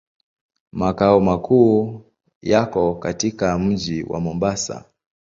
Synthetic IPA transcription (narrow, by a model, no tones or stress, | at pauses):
makaɔmakʰuː | jakɔkatikam̩d͡ʒiwʔa̰mɔmbasa̰